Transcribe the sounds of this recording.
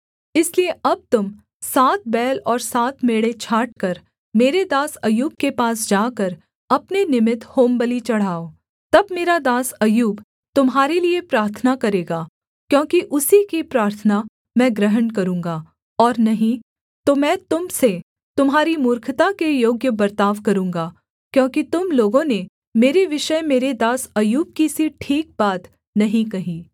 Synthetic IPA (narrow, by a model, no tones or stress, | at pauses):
ɪslieʔɐb̚t̪ʊm | saːt̪̚bɛːlɔːɾsaːt̪ʰmeːɽet͡ʃʰaːʈ̚kɐɾ | meːɾed̪aːsɐjuːb̚kepaːsd͡ʒaːkɐɾ | ɐpnenɪmɪt̪hoːmbəlit͡ʃɐɽ̤ɦaːoː | t̪ɐbmeːɾad̪aːsɐjuːb | t̪ʊmɦaːɾeliepɾaːɾt̪ʰənakɐɾeːɡaː | kjõːkiʔʊsikipɾaːɾt̪ʰəna | mɛ̃ːɡɾəɦənkɐɾũːŋɡa | ɔːɾnɐɦĩ | t̪omɛ̃ːt̪ʊmse | t̪ʊmɦaːɾimʊɾkʰt̪akejoːɡjəbɐɾt̪aːʋkɐɾũːŋɡaː | kjõːkit̪ʊmloːɡõne | meːɾeʋɪʃəmeːɾed̪aːsɐjuːb̚kisiʈʰiːk̚baːt̪ | nɐɦĩkɐɦĩː